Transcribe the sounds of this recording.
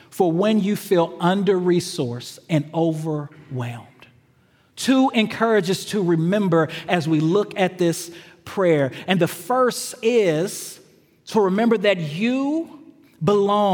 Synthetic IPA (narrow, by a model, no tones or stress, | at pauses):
fə˞wɨ̃njɨfilˠʌ̃ndə˞ɹisɔɹsɨ̃noʊvə˞wɛlˠm̥ | tʰuɨ̃nkʰɜ˞ɨd͡ʒɨz̥tʰɨɹɨmɛ̃mbə˞ɨzwilʊkɨt̪̚ðɪs | pʰɹ̥ɛɹɨ̃nðɨfɜ˞stɪz̥ | tʰəɹɨmɛ̃mbə˞ðɨt͡ʃɨ | bəlɔ̃